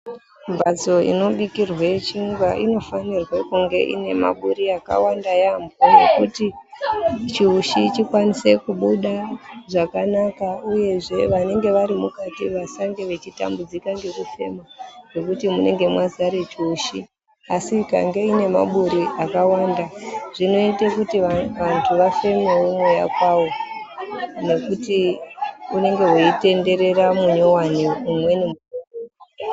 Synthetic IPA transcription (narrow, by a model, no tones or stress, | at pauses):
mbad͡zo̞ḭno̞ɓikirwet͡ʃiŋɡwaʔino̞fanirwakuŋɡe̞̰ʔḭne̞ma̰ɓuɾiaka̰wandajambʱonɡekuti | t͡ʃiuʃit͡ʃikwanise̞kuɓuɗaʐakanakauje̞ʐe̞ʋane̞ŋɡe̞ʋaɾimukatiʋasaŋɡe̞ʋe̞t͡ʃita̰mbud͡zikaŋɡe̞rufe̞̰maro̞kutimune̞ŋɡe̞mwazaɾet͡ʃoʃi | asika̰ŋɡe̞ine̞ma̰ɓuɾiʔakawandaʐino̞itekutiʋantʰuʋafe̞me̞wo̞mwoja̰kwawo̞ | ne̞kuti | une̞ŋɡe̞woite̞nde̞ɾe̞ɾamuɲo̞waniumwe̞nemuoo